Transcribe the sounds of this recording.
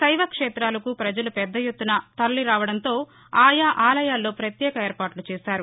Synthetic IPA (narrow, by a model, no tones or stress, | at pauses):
sɐjʋɐkʂɛːt̪ɾaːlɐkupɾɐd͡ʒɐlupɛd̪ːɐjut̪ːunɐt̪ɐlːiɾaːʋɐɽɐnt̪o̞ː | aːjaːʔaːlɐjaːlːo̞ːpɾɐt̪jɛːkɐeːɾpaːʈlut͡ʃɛːsaːɾu